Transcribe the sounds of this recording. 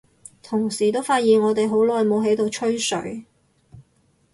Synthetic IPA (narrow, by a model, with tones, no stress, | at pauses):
t̪ʰʊ˨˩ŋsiː˨˩t̪o˥wfaː˧t̚jiː˨˩nɔː˨˧t̪e˨jɦo˨˥wlɔː˨jmo˨˧wɦe˨˥jt̪o˨wt͡ʃʰɵ˥ɥsɵ̰˨˥ɥ